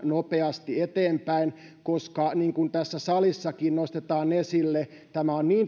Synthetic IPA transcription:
nopeɑst̪iet̪eːmpæin | koskɑniːŋkunt̪æsːæsɑlisːɑkiːnnost̪et̪ɑːnesilːe | t̪æmæonniːn

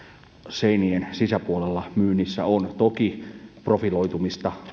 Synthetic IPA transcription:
seiniensisæpuolelːɑmyːnːisːæont̪okipro̞filojt̪umist̪ɑ

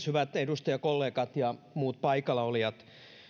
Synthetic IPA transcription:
shyʋæt̪edust̪ɑjɑkolːeːkɑt̪jɑmuːt̪̚pɑikɑlɑoljɑt̪

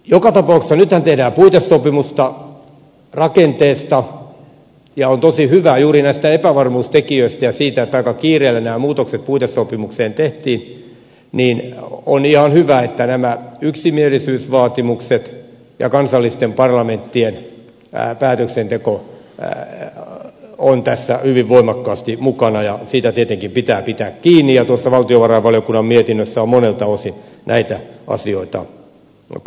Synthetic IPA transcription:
jokɑt̪ɑpɑuksːɑnyt̪hænt̪ehdæːmpuit̪esːopimust̪ɑ | rɑkent̪eːst̪ɑ | jɑont̪osihyʋæjuːɾinæist̪æepæʋɑrmuːst̪ekiøist̪æjɑsiːt̪æt̪ɑikːɑkiːreːlːænæːmuːt̪okset̪̚puit̪esːopimukseːnt̪eht̪iːn | niːnonihɑnhyʋæet̪ːænæmæyksimielisyːsʋɑːt̪imukset̪ | jɑ̰kɑnsɑlːist̪empɑrlɑment̪ːien | pæːt̪øksent̪eko | ont̪æsːæ̰hyʋiʋʋoimɑkːɑːst̪imukɑnɑjɑsiːt̪æt̪iet̪eŋkimpit̪æːpit̪æːkkiːnːijɑt̪uosːɑʋɑlt̪ioʋɑrɑiʋʋɑlijokunːɑmmiet̪inːøsːæommonelt̪ɑosin | nʔæit̪æɑ̰sioit̪ɑ̰

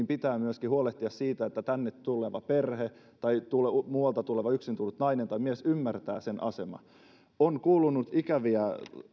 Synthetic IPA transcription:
mpit̪æːmyøskihuoleht̪iɑssiːt̪æet̪ːæt̪ænːet̪t̪uleʋɑperhe | t̪ɑit̪ulemuːɑlt̪ɑt̪uleʋɑyksint̪ulːut̪nɑinent̪ɑimiesymːært̪æ̰ːsenʔɑ̰semɑ̰ | onkuːlunut̪ikæʋiæ

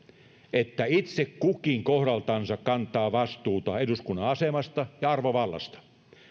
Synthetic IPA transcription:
et̪ːæit̪sekkukiŋkohɾɑlt̪ɑnsɑkkɑnt̪ˑɑːʋɑst̪uːt̪ɑeduskunːɑɑsemɑst̪ɑjɑɑrʋoʋɑlːɑ̰st̪ɑ̥

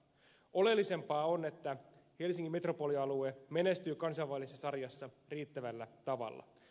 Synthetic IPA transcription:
ʔo̞le̞lːise̞mpɑːo̞ne̞t̪ːæhe̞lsiŋkːime̞t̪ro̞po̞liɑlueme̞ne̞st̪yːkɑnsɑʋɑlisesːɑsɑrjɑsːɑ | riːt̪ːæʋælːæt̪ɑʋɑ̰lːɑ̰

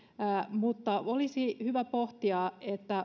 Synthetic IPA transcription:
mut̪ːɑolisihyʋæpoht̪iɑet̪ːæ

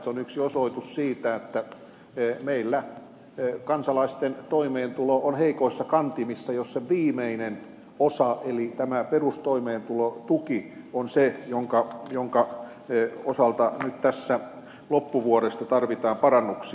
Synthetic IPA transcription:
seonyksiosoit̪ussiːt̪æet̪ːæ | meilːæ | kɑnsɑlɑist̪ent̪oimeːnt̪uloonheikoisːɑkɑnt̪imisːɑjosseʋʋiːmeinen | osɑʔelit̪æmæperust̪oimeːnt̪ulot̪uki | onsejoŋkɑjoŋkɑ | osɑlt̪ɑnyt̪t̪æsːæ | lopːuʋuoɾest̪ɑt̪ɑrʋit̪ɑːmpɑrɑnːuksi

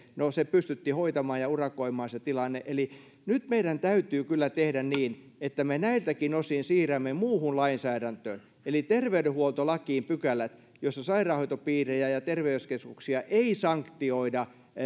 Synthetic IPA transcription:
nosepyst̪yt̪ːihoit̪ɑmɑːjjɑurɑkoimˑɑːnset̪ilɑnːeʔeli | nyt̪meidænt̪æyt̪yːkylːæt̪ehdænniːn | et̪ːæmenæilt̪ækinosinsiːræmːemuːhunlɑinsæːɾænt̪øːn | elit̪erʋeydehuolt̪olɑkiːmpykælæt̪ | josːɑsɑirɑːhoit̪opiːrejæjɑt̪erʋeyskeskuksiɑʔeisɑŋkt̪ioidɑ

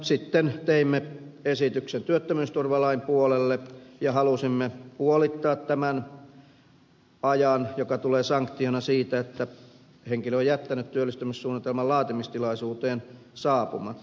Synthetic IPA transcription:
sit̪ːent̪eimːeesit̪yksent̪yøt̪ːømyːst̪urʋɑlɑimpuolelːejɑhɑlusimːepuolit̪ːɑːt̪t̪æmæn | ɑjɑnjokɑt̪uleːsɑŋkt̪ionɑsiːt̪æet̪ːæ | heŋkiløojæt̪ːænyt̪t̪yølːˑist̪ømissuːnːit̪elmɑllɑːt̪imist̪ilɑisuːt̪eːn | sɑːpumɑt̪

